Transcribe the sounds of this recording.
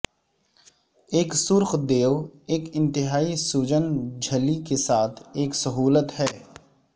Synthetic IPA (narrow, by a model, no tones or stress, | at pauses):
eːksʊɾxd̪eːʋeːkɪ̃nt̪ɪɦaːisuːd͡ʒənd͡ʒʱəlikesaːt̪ʰeːksɐɦuːlət̪hɛː